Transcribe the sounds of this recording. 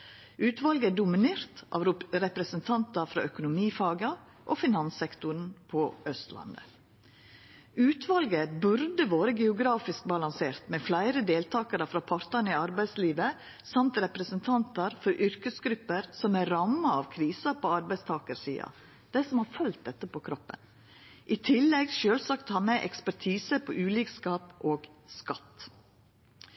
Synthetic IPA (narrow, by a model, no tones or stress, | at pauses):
ʔʉːt̪ʋɑlɡəæɖʊmɪneːɾt̪ʔɑ̰ʋɾɛpɾɛsənt̪ʰɑnt̪ɑfɾɑ̰ʔœkʊnʊmiːfɑːɡɑ | ʔofɪnɑnsɛkt̪ʊɳpʰɔʔœst̪lɑ̰nd̪ə̰ | ʉːt̪ʰʋɑlɡəbʉɾd̪əʋoːɾəɡɛʊɡɾɑːfɪsk̚bɑlɑnseːɾt̪mɛflæɪɾəd̪eːlt̪ʰɑːkɑɾəfɾɑpʰɑɾt̪ɑniɑɾbæɪd̪sliːʋə | sɑmt̪ɾɛpɾəsənt̪ʰɑnt̪ɑɾfɔɾʔʏɾkəsɡɾʉpːəɾsɔmæɾɑmːɑɑʋkʰɾiːsɑpʰoːɑɾbæɪst̪ʰɑːkəɾsḭːɑ̰ | d̪̥æɪsɔmhɑːɾfœlt̪̚d̪ɛt̪ːəpʰɔkʰɾɔpːə̰n | ʔit̪ʰɪlːɛɡʃøːlsɑkt̪hɑːmɛʔɛ̰kspæɾʈʰiːsəpʰɔʔʉːliːkskɑːpʔoːɡskɑt̪